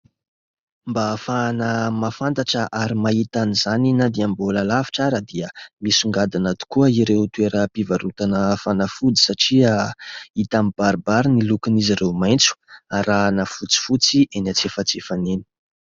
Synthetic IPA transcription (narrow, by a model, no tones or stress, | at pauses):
mbafanəmafant̪aʈ͡ʂəʔaɾimait̪anizaninad̪iamboləlavi̥ʈ͡ʂaɾəd̪iəmisuŋɡad̪anat̪u̥kuəiɾewt̪ueɾəpivaɾut̪anəfanəfud͡zi̥saʈ͡ʂiait̪ambaɾbaɾinilukiniziɾewmajnt͡su̥aɾanəfut͡si̥fut͡siʔenat͡sefət͡sefaneni̥